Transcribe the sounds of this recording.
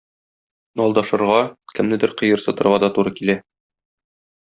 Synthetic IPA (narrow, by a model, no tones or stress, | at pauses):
nɒlˠd̪ɑʃɤ̆ɾʁɑkɘ̆mnɘd̪ɘɾqɤ̆jɤ̆ɾsɤ̆t̪ɤ̆ɾʁɑd̪ɒt̪uɾɤkilæ